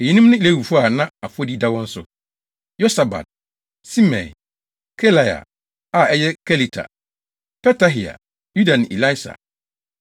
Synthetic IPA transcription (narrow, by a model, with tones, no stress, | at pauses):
e˨ɲĩ˦nũ˦m˦nʊ̃˦i˦le˦wu˨fu˦a˨nã˦a˨fo˦di˦da˦wɔ̃˦n̩˦sʊ˨ | jo˦sa˨ba̰˨d̚ | si˦mɛ̰̃˨ | kʰɛ˦la˨ja̰˨ | a˦˨ɛ˦jɛ˦kʰɛ˦li˦tʰa̰˨ | pɛ˦ta˦ɦi˨a̰˨ | ju˦da˨nɪ̃˨i˨la˦i˦sa̰˨